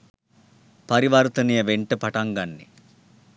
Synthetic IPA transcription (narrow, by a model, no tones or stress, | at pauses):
pɐɾiʋaːɾt̪ɐnijɐʋeɳʈɨpɐʈɐŋɡɐnːḭ